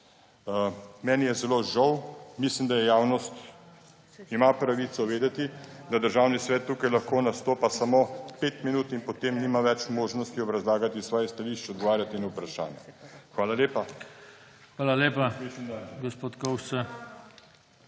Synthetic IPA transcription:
mɛːnijɛzɛloʒɔwmislimd̪ajɛjaːwnɔst̪ | imapɾaʋit̪sɔʋeːd̪ɛt̪id̪ad̪əɾʒaːwnisʋɛt̪ːuːkajlɐxkoːnast̪oːpasamopeːt̪minuːt̪inpɔt̪eːmnimaʋɛt͡ʃmoːʒnɔst̪iɔbɾɐzlaːɡat̪isʋɔːjɛst̪aliʃt͡ʃɔd̪ɡɔʋaːɾjat̪iinupɾaʃa̰ːnjɛ̰xʋaːlaljeːpa | xʋaːlaleːpaisnaɡospoːt̪kowʃt͡ssa

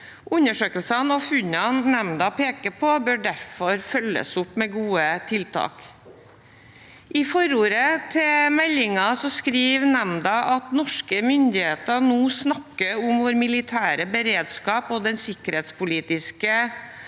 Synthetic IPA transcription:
ʔʉnəʂøːkəlsənɔfʉɲɑnnɛmd̪ɑpʰeːkəpʰɔbøːɖæɾfɔɾfœlːə̰sʊpmɛːɡuːət̪ʰɪlt̪ʰɑ̰ːk | ʔɪfɔɾuːɾət̪ʰɛmɛlːɪŋɑsɔskɾiːʋnɛmd̪ɑʔɑt̪nɔʂkəmʏnd̪ɪheːt̪ənuːsnɑkːəʊmʋɔɾmɪlɪt̪ʰæːɾəbəɾeːd̪skɑːpɔːd̪ɛnsɪkəɾheːt̪spʊliːt̪ɪskə

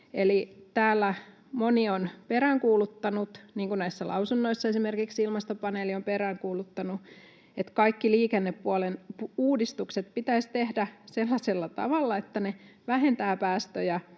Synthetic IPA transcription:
elit̪æːlːæ | monionpeɾæŋkuːlut̪ːɑnut̪niːŋkunæisːælɑ̰usunːoisːɑesimerkiksilmɑst̪opɑneːliompeɾæːŋkuːlut̪ːɑnu | et̪kɑikːiliːkenːepːuolenpuuːdist̪ukset̪̚pit̪æist̪ehdæselːɑselːɑt̪ɑ̰ʋɑlːɑet̪ːæneʋæɦent̪æːpæːst̪øjæ

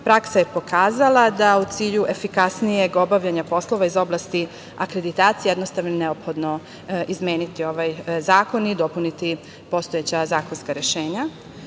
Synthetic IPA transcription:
pɾaksaje̞po̞kʰaːzalˠad̪aut̪siːʎuʔe̞fikasnije̞ɡo̞baʋʎaɲapo̞slˠo̞ʋaizo̞blˠast̪i | akɾe̞d̪it̪aːt̪sijeje̞d̪no̞st̪aʋnoine̞opxo̞d̪no̞ | izmʲjeːnit̪io̞ʋajzaːko̞nid̪o̞punit̪i | po̞st̪ojet͡ɕazaːkonskaɾjeʃe̞ːɲa

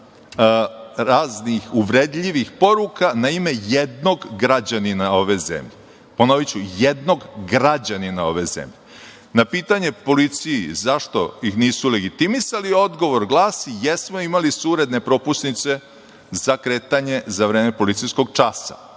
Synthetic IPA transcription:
ɾaːznixuʋɾed̪ʎiʋixpo̞ɾukanaime̞jed̪no̞ɡɡɾad͡ʑaninao̞ʋe̞zḛmʎe | ponoʋit͡ɕujed̪no̞ɡɡɾad͡ʑaninao̞ʋe̞zḛmʎe | napiːt̪aɲe̞po̞lit̪sijḭzaʃt̪o̞̰jixniːsule̞ɡit̪imisalio̞d̪ɡo̞ʋo̞ɾɡlˠaːsijesmoimalisuɾed̪ne̞pɾo̞pusnit̪se̞ | zakɾeːt̪aɲe̞zaʋɾeːme̞po̞lit̪sijsko̞ɡt͡ʃasa̰

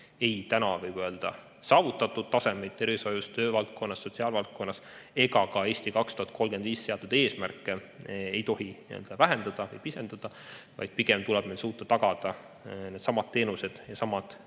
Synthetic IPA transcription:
e̞jt̪ænɑvɯjb̥ø̞ːld̪̥ɑ̰ | sɑːvut̪ːˑɑt̪ːˑud̪̥t̪ɑse̞mejt̪ːe̞ɾiso̞just̪ø̞ːvɑlt̪̚ko̞nːɑsːo̞t̪ʲsiɑːlvɑlt̪̚ko̞nːɑs | e̞ɡɑkɑe̞ːsʲt̪ikɑkst̪uhɑt̪̚ko̞lɡ̥eviːsse̞ɑt̪ːˑud̪̥e̞ːsmærkːˑe | e̞jt̪o̞ɦiniø̰ld̪̥ɑvæɦend̪̥ɑd̪̥ɑvɯjpise̞nd̪̥ɑd̪̥ɑ | vɑ̰jd̪̥̚piɡ̥e̞mt̪ulɛb̥melsuːt̪ːˑɑt̪ɑɡ̥ɑd̪̥ɑ | ne̞ːd̪sɑmɑt̪̚t̪ːe̞ːnuse̞d̪̥jɑsɑmɑt̪

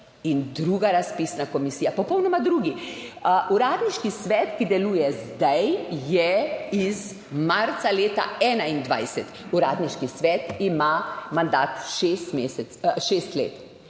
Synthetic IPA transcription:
ind̪ɾuːɡaɾaspisnakɔmisiːjapɔpɔwnɔmad̪ɾuːɡi | ʔuɾaːd̪niʃkisʋɛt̪kid̪ɛluːjɛzd̪ajjɛiz | maɾt̪saleːt̪a̰ɛːnaind̪ʋa̰jsɛt̪uɾaːd̪niʃkisʋɛːt̪imamand̪aːt̪ʃest̪mesɛ | ʃest̪lḛːt̪

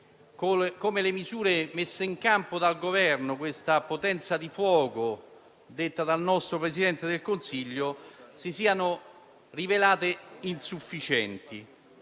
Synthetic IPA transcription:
kkomelemizuːɾemesːeiŋkampod̪alɡovɛrnʊkwest̪apot̪ɛnt̪sad̪ifwɔːkʊ | d̪et̪ːad̪alnɔst̪ɾopɾesid̪ɛnt̪ed̪elkonsiʎːosisiːanʊ | rivelaːt̪einsufːit͡ʃɛnt̪i

